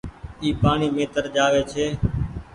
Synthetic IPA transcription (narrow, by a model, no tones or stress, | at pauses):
iːpaːɳiːmeːt̪əɾd͡ʒaːʋeːt͡ʃʰeː